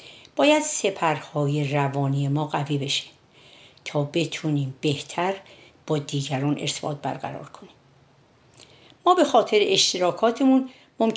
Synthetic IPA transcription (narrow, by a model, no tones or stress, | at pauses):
b̥ɒːjæd̪̥se̞pʰæɾhɒːjerævɒːniːe̞mɒːɣæviːbe̞ʃi̥ːm | t̪ʰɒːbe̞t̪ʰuːniːmbe̞ht̪ʰæɾ | b̥ɒːd̪iːɟæɾɒːnʔeɾt̪ʰebɒ̰ːt̪̚bæ̰ɾɡæ̰ɾɒ̰ːɾkʰo̞niːm | mɒːbe̞xɒːt̪ʰe̞ɾeʔeʃt̪ʰeɾɒːkʰɒːt̪ʰemun | mom